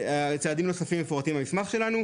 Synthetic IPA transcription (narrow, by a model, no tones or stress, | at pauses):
at͡saːd̪imno̞safimːefoat̪imhamismaχʃe̞lanu